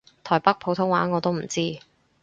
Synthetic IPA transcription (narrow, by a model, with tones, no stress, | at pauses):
t̪ʰɔː˨˩jpɐ˥k̚pʰo˨˥wt̪ʰʊ˥ŋwaː˨˥ŋɔː˨˧t̪o˥wm̩˨˩t͡siː˥